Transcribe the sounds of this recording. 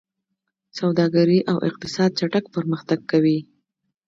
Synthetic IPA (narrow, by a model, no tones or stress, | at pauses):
sawd̪ɑɡaɾiʔawʔɪ̰q̚t̪ɪ̥sɑd̪̚t͡ʃaʈakpəɾməxt̪aɡ̚kawi